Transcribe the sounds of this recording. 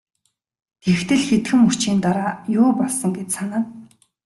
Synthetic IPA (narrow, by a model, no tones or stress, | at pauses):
t̪ʰext̪ɘ̆ɮxet̪xɘ̆mu̥t͡ɕiːnt̪aɾaːjʊːpɔɮsə̆ŋɡet͡ɕsanaː